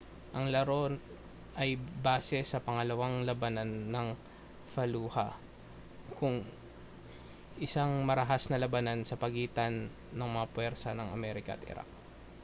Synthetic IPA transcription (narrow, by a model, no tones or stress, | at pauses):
ʔɐŋlɐɾo̞n | ʔɐjbaːsɛsɐpɐŋɐlɐwaŋlɐbɐnanːɐŋ | fɐluːhɐ̰ | kʰʊŋ | ʔɪsaŋmɐɾɐɦasnɐlɐbɐnansɐpɐɡiːt̪ɐnː | ɐŋmɐŋapwɛɾsɐnɐŋɐ̰mɛːɾɪkɐʔɐ̰t̪ʔɪ̰ɾʔa̰k̚